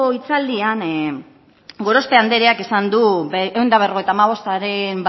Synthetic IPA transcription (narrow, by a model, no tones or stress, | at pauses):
oit͡sald̪ian | ɡo̞ɾo̞spe̞and̪e̞ɾeakisand̪uewnd̪aβero̞et̪amaβ̞o̞st̪aɾe̞mb